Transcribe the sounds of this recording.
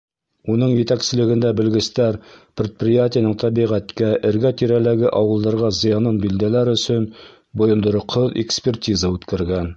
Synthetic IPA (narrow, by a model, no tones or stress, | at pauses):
unɤɴjɘ̆t̪æksɘ̆lɘ̆ɡɘ̆nd̪æbɘ̆lɡɘ̆st̪æɾprʲɪt̪̚prʲɪjatʲɪjanɤɴt̪ʰæbiʁæt̪kæʔɘ̆ɾɡæt̪iɾælæɡɘʔɒwɤ̆lˠd̪ɑɾʁɑzɤ̆jɑnɤnbild̪ælæɾɵ̆sɵn | bŏjɤ̆nd̪ɤ̆ɾɤqʰɤðekspʲertʲizəʉt̪kæɾɡæn